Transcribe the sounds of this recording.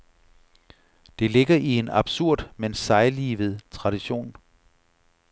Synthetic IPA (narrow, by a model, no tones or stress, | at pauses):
d̥e̝le̝ɡ̥ɐʔie̝nɑb̥suɐ̰d̥mensɑ̈ɪliːʋð̞̩ˠt͡sʰʁɑ̈ɾ̥iɕo̝̰ːn